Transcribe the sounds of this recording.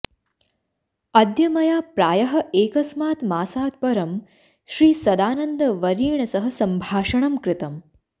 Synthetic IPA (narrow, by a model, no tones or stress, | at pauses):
ɐd̪jɐmɐjaːpɾaːjɐɦɐ̆eːkɐsmaːt̪maːsaːt̪̚pɐɾɐm | ʃɾiːsɐd̪aːnɐnd̪ɐʋɐɾiːɳɐsɐɦɐ̆sɐmbʱaːʂɐɳɐmkɾɪt̪ɐm